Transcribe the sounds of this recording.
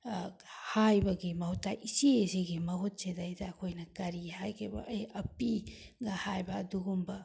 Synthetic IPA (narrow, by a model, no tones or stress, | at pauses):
hajbɐɡimɐhutːajʔisieseɡimɐɦut̚t͡ʃedaidakʰojnɐkɐɾihajkʰebɐ̰ʔːjɐpi | ɡahajbɐːduɡumbɐ